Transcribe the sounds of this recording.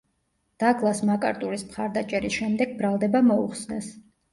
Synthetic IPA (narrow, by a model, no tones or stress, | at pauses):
d̪̥aɡlˠasmakʼa̰ɾt̪ʼuɾismχaɾd̪at͡ʃʼɛɾisʃɛmd̪ɛɡ̚bɾalˠd̪ɛbamɔṵχsnɛs